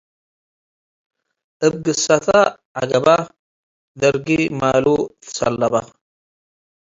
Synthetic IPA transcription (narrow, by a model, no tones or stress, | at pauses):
ʔɨb̚ɡɨsat̪ʰa | ʕa̰ɡɐba | d̪ɐɾɡimalut̪ʰɨ̥sɐ̰lːɐba